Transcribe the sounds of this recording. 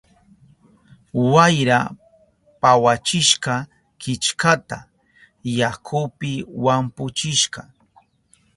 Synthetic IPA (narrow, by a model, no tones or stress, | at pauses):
wajɾa | pawat͡ʃɪʃqɑ | kɪt͡ʃkat̪a | jakʰʊpɪwampʊt͡ʃɪʃqɑ